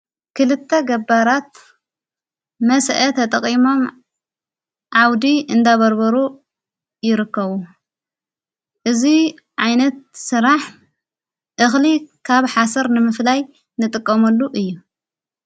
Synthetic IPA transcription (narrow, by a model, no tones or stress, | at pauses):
kʰɨlɨt̪ʰːɐɡɐbːaɾat̪̚ | mɐsʔɐt̪ʰɐt̪ʼɐqʼimo̞m | ʕawd̪iʔɨnd̪aβɐɾbɐɾu | jɪɾɨkːɐβu | ʔɨzi | ʕajnɐt̪̚sɨɾaħ | ʔɨxlikʰaβħasɐɾnɨmɨflaj | nɨt̪ʼɨkʼːɐmɐlːuʔɨjːu